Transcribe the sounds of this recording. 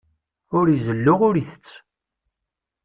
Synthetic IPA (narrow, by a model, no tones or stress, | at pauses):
ʊɾizəlːʊʁʊɾiθə̥t͡sː